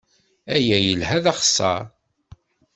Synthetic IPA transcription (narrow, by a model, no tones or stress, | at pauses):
æjæjəlhæðɑχsːɑ̰